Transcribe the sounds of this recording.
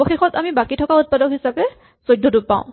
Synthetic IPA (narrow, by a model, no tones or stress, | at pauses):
bɔxexɔtamibakitʰɔkaut̚padɔkɦisapɛ | sojdʱːɔdup̚pã̰ʊ̃